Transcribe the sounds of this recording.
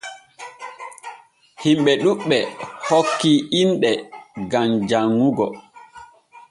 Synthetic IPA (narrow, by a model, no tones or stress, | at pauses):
himɓɛɗuɓːɛhokːiinɗɛɡamd͡ʒaŋːuɡɔ